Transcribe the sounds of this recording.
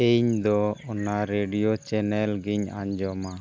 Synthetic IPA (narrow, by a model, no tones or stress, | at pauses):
eɲd̪ɔɔnaɾeɖijot͡ʃɛnɛlɡiɲa̰ɲd͡ʒɔma